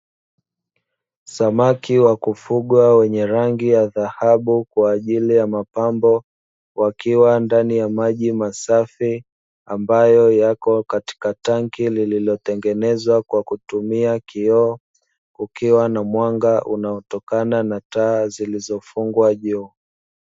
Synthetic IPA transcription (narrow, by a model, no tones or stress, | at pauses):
samakiwakufuɠwawɛɲɛɾaŋɡijaðahaɓukwaːʄilijamapambɔ | wʔakiwandanijamaʄimasafi | ambajɔjakɔkati̥kataŋkilililɔtɛŋɡɛnɛzwakwakutumiakiɔ | ukiwanamwaŋɡaʔṵnaɔtɔkananataːzilizɔfuŋɡwaʄuː